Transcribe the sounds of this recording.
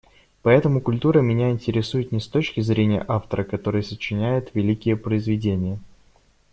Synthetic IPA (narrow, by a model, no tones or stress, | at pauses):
pɐɛt̪əmʊkʊlʲt̪uɾəmʲɪnʲæɪnʲtʲɪɾʲɪsujɪt̪nʲɪst̪o̞t͡ɕkʲɪzɾʲenʲɪjə̰ʔaft̪əɾəkɐt̪o̞ɾɨjəsət͡ɕːɪnʲæjʊt̪vʲɪlʲikʲɪjəpɾəɪzvʲɪdʲenʲɪjə